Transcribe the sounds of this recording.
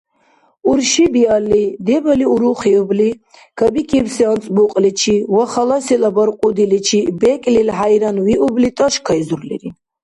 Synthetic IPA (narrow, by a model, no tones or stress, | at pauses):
uɾʃibialːid̪ɛbəliuɾuχiubli | kʰəbikʰibsɛant͡s̪ʼbuqʼlit͡ʃʰiwaχalasilabaɾqʼud̪ilit͡ʃʰibɛkʼlilɦajɾanwiʔublit̪ʼaʃkʰaizuɾlḭɾi